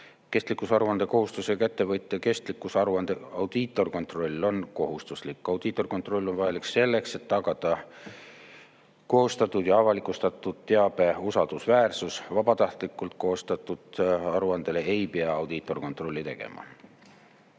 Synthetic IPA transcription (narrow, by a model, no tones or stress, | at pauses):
ke̞st̪likːˑusɑɾuɑnd̪e̞ko̞ɦust̪usekæt̪ːe̞vɤjt̪ːˑeke̞st̪likːˑusɑɾuɑnd̪eɑwd̪̥it̪ːˑo̞rko̞nt̪ro̞lʲːo̞nko̞ɦust̪uslikːˑɑwd̪̥it̪ːˑo̞rko̞nt̪ˑro̞lʲːo̞nvɑjɑlikse̞lːe̞kse̞t̪ːɑɡ̥ɑd̪̥ɑ | ko̞ːst̪ɑt̪ːˑud̪̥jɑɑvɑlikˑust̪ɑt̪ːˑud̪̥t̪e̞ɑb̥e̞usɑld̪̥usvæːrsusvɑb̥ɑt̪ɑht̪likːˑult̪̚koːst̪ɑt̪ːˑud̪̥ɑɾuɑnd̪̥e̞lee̞jpeɑɑwd̪̥it̪ːˑo̞rko̞nt̪ˑro̞lʲːit̪e̞̰ɡ̥e̞̰mɑ̰